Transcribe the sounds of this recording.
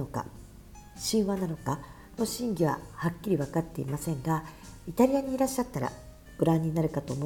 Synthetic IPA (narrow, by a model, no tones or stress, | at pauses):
oka̰ | ɕĩɰ̃βanano̞ka | no̞ɕĩŋɡʲiβa̰hakʲːiɾʲiβakat̪ːe̞ḭmasẽ̞ŋɡait̪aɾʲijaɲ̟iːɾaɕːat̪ːaɾa̰ | b̥ɯ̟ɾãɲ̟ːinaɾɯ̟kat̪o̞ːmo